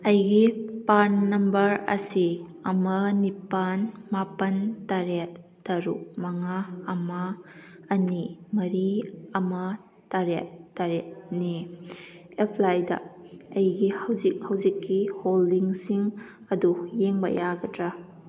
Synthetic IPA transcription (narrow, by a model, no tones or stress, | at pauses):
ɐjɡipanːɐmbɐɾɐ̰si | ɐmɐnipanmapɐntaɾet̚ːɐɾṵk̚mɐŋaːmaː | nimɐɾiɐma | taɾet̚ːaɾet̚ni | epʰlajdɐ̰ɐjɡihawzik̚hawzikːiholdiŋsiŋ | ɐdujeŋbɐ̰jaɡɐtɾa